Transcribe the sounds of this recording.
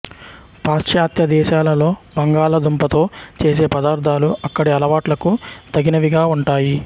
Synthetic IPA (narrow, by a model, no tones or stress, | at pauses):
paːsʈjaːt̪jɐd̪ɛːʃaːlɐlo̞ːbɐŋɡaːɭɐd̪umpɐt̪o̞ːt͡ʃe̞ːs̬e̞ːpɐd̪aːɾd̪ʱaːluɐkːɐɽiɐlɐʋaːʈlɐkut̪ɐɡinɐʋiɡaːuɳʈaːji